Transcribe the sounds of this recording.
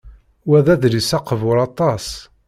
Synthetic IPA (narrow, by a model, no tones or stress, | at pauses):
wæðæðɾisɑqːəvʊɾˤɑt̪ˤɑs